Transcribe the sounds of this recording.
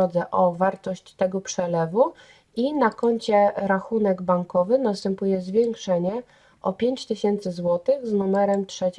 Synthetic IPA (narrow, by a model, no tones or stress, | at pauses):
ɔd̪zɛʔɔvaɾt̪ɔɕt͡ɕt̪ɛɡɔpʂɛlɛvu | inakɔɲt͡ɕɛɾaxunɛɡbaŋkɔvɘnast̪ɛmpujɛzvʲjɛŋkʂɛɲɛ | ʔɔpʲjeɲt͡ɕt̪ɘɕɛnt̪sɘzwɔt̪ɘɣznumɛɾɛmtʂɛt͡ɕ